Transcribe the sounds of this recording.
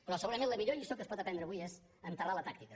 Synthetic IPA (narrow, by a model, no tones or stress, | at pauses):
pɾɔsəɣuɾəmẽnləmiʎoʎisokəspɔt̪əpɛnd̪ɾəβujez | ənt̪əralət̪ak̚t̪ikə